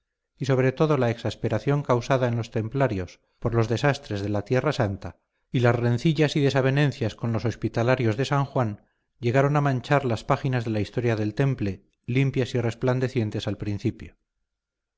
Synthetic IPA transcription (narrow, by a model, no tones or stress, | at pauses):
iso̞β̞ɾe̞t̪o̞ðo̞laeksaspe̞ɾaθjo̞ŋkawsaðaenlo̞st̪e̞mplaɾjo̞s | po̞ɾlo̞zðe̞sast̪ɾe̞zð̞e̞lat̪je̞rasant̪a | ilazre̞nθiʎasiðe̞saβ̞e̞nẽ̞nθjasko̞nlo̞so̞spit̪alaɾjo̞zðe̞saŋxwan | ɟ͡ʝe̞ɣ̞aɾo̞namãnt͡ʃaɾlaspaxinazðe̞laist̪o̞ɾjaðe̞lt̪e̞mple̞ | limpjasire̞spland̪e̞θje̞nt̪e̞salpɾin̟θipjo